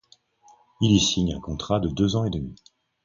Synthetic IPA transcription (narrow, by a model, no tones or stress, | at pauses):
ilisiɲɛ̰̃kɔ̃t̪χad̪əd̪øzɑ̃ed̪əmi